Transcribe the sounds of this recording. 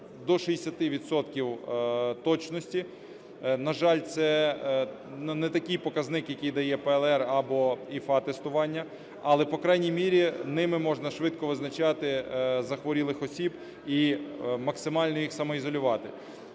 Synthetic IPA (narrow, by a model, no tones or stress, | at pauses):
d̪ɔʃijesʲɐt̪ɪʋʲid̪sɔt̪kʲiwt̪ɔt͡ʃnɔsʲtʲi | nɐʒɑlʲt̪sɛ | nnɛt̪ɐkɪjpɔkɐznɪkjɐkijd̪ɐjɛpɛɛlˠɛrɐbɔifɑt̪ɛst̪ʊʋɑnʲːɐ | ɐlˠɛpɔkɾɑjnʲijmʲiɾʲinɪmɪmɔʒnɐʃʋɪd̪kɔʋɪznɐt͡ʃɑt̪ɪzɐxʋɔɾʲilˠɪxɔsʲib | imɐksɪmɑlʲnɔjixsɐmɔizɔlʲʊʋɑt̪ɪ̰